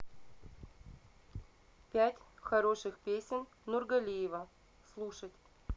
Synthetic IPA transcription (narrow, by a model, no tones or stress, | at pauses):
pʲætʲxɐɾo̞ʂɨxpʲesʲɪn | nurɡɐlʲijɪvə | slˠuʂətʲ